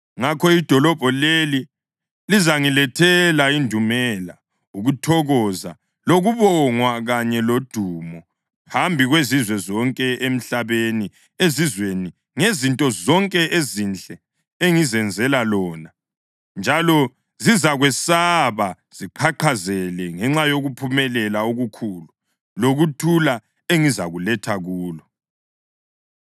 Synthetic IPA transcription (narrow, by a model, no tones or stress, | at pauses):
ŋakʰɔid̥ʱɔlɔb̥ʱɔleli | lizaŋilɛtʰɛlaindʱumɛla | uɣutʰɔɣɔza̰ | loɣuβɔŋwaɣaɲɛlod̥ʱuːmɔ | hambʱiɣwezizwɛzɔŋkʼɛem̩ɬaβeni | ezizweni | ŋezintʼɔzɔŋkʼɛʔezint͡ɬʼɛ | eŋizɛnd͡zʱɛlalɔːna | nd͡ʒʱalɔ | zizaɣwɛsaβa | z̥iǃʰaǃʰazɛlɛŋɛŋ͡ǁajoɣupʰumɛlɛlauɣukʰuːlu | loɣutʰula | eŋizaɣulɛtʰaɣuːlɔ